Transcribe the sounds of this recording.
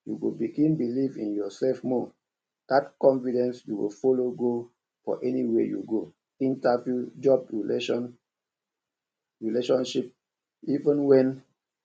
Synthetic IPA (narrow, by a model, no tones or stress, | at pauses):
juɡobiɡĩnbilivĩnjɔsɛfmɔ | d̥atkɔ̃nfidɛ̃nsjuwḭlfoloɡo | fɔ̰ʔɛniwejṵɡo | ĩntavjud͡ʒɔbɹileɔn | ɹileʃɔ̃nʃip̚ | ivə̃nwɛ̃n